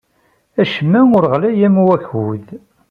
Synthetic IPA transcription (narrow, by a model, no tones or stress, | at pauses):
æʃəmːæʊɾʁlæjæmwæçwuð